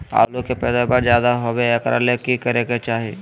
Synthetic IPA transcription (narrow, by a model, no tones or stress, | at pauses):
a̰ːlokepɛːd̪abaɾd͡ʒjaːd̪aɦoːbeeːkɾa̰lekːikɐɾeːket͡ʃaːɦi